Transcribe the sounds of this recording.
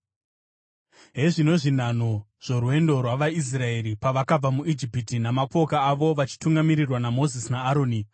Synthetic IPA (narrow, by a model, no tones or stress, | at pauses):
ɦe̞ʐino̞ʐin̤an̤o̞ | ʐ̥o̞ruwe̞ndo̞rwaʋais̬rae̞ɾipaʋakab͡vamuʔid͡ʒipitinamako̞kaːʋo̞ʋat͡ʃi̥tuŋɡamiɾirwanamo̞zisinaːɾo̞ːni